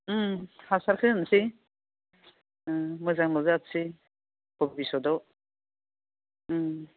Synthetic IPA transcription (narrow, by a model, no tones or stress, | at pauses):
hasaɾkʰɯnsi | mɯzaŋmɯzap̚si | kɔbisɔdɔ